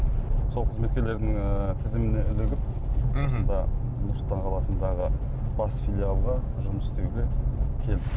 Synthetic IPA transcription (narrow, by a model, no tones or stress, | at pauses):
so̞lˠqʰəzmet̪kʲele̞ɾd̪ɪŋt̪ʰɪzɪmɪne̞ʏlɪɡʲɪp̚osənd̪ɑnʊɾsʊlˠt̪ɑɴqʰɑlˠɑsənd̪ɑʁə | b̥ɑsfʲilʲijalˠʁɑʒʊməsst̪e̞uɡʲe̞kʲʰe̞lɪ